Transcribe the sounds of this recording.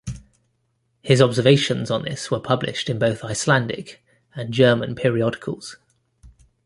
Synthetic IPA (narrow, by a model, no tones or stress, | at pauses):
hɪzɒbzəveɪʃə̃nzn̩ðɪ̰swəpʰʌblɪ̰ʃtɪ̃nbəʊθaɪslãndɪ̰k | ə̃nd͡ʒɜːmə̃npʰɪːɹiɒdɪkʰə̰lˠz̥